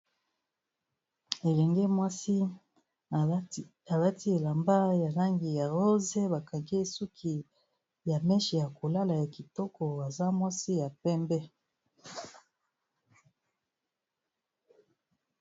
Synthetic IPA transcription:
e˨lɛ˨ŋɡɛ˦mwa˦si˦ | a˨la˦ti˦e˨la˨mba˦ja˨la˦ŋɡi˨ja˨ʁo˦ze˦ba˨ka˨ŋɡe˦˨su˦kʰi˨ | ja˨mɛ˦ʃi˨ja˨ko˨la˦la˨ja˨ki˨tɔ˦kɔ˨a˨za˦mwa˦si˦ja˨pɛ˦mbɛ˦

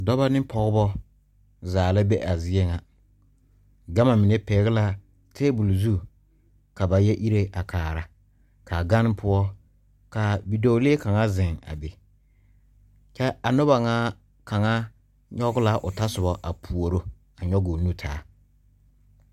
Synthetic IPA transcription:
dɔ˦ba˦nɪ˦pɔ˦ɣʊ˦bɔ˦ | zaː˨lɪ˦be˦ʔa˨zɪ˦ɛ˦ŋa˨ | ɡa˦ma˨mɪ˨ne˦pɛː˨˦ɣɪ˦la˦ | tʰeː˦bu˨lzu˦ | ka˨ba˨jɛ˦ʔi˦ɾe˦ʔa˨kʰaː˨ɾa˨ | ka˨ɡa˦nɪ˦pʰʊ˦ɔ˦ | ka˨bi˨do˨˦le˦e˦ka˨ŋa˦zɪ˨ŋa̰˨be˨ | t͡ʃɛ˦a˨nʊ˦ba˨ŋaː˦ | ka˨ŋa˦ | ɲɔ˦ɡʊ˦la˦ʔʊ˨ta˦sʊ˨bɔ˨ʔa˨pʰu˨o˨ɾo˦ | a˨ɲɔ˦ɡo˨nu˦tʰaː˦

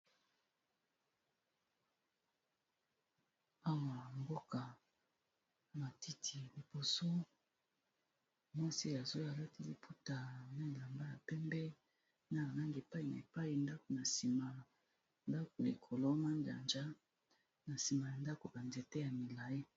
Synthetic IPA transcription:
a˦wa˨mbo˦ka˨ | ma˨ti˦tʰi˨li˨b̥o˨so˦ | mwa˦si˦a˨zo˦ja˨la˦ti˦li˨pʰu˦ta˨na˦˨la˨mba˦ja˨pɛ˦mbɛ˦ | na˦a˨la˦ŋɡe˨pa˦i˨na̰˨e˨pa˦i˨nda˦ko˨na˨si˨ma˨ | nda˦ko˨lḭ˨kʰo˨lo˦na˦nda̰˨nd͡ʒa˦ | na˨si˨ma˨ja˨nda˦ko˨ba˨nze˨tɛ˦ja˨mi˨la˨ji˦

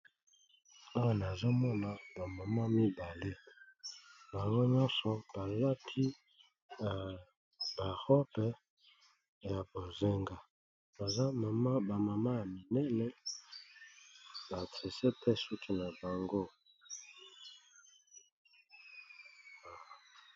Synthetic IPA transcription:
a˦wa˨na˨zo˦mɔ˦na˨ba˨ma˨ma˦mi˦ba˨le˦ | ba˨ŋɡo˦ɲɔ̃˦sɔ˨b̥a˨la˦tʰi˦ | na˨ | ba˨ʁɔ˦pɛ˦ | ja˨bo˨ze˦ŋɡa˦ | ba˨za˦ma˨ma˦ba˨ma˨ma˦ja˨mi˨nɛ˦lɛ˦ | ba˨te˨se˦pe˦su˦kʰi˦na˨ba˨ŋɡo˦˨

